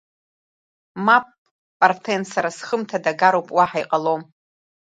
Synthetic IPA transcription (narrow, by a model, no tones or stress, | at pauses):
mapʼ | pʼartʰensaɾasχəmtʰadaɡaɾowpʼwaħajqʼalom